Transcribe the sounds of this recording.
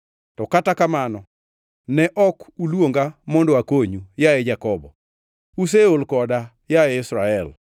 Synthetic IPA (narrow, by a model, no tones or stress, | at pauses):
tɔkatakamanɔ | nɛʔɔkulwoŋɡamɔndɔakoɲujaɛd͡ʒakɔbɔ̰ | us̬eolkɔda | jaɛɪsɾaɛl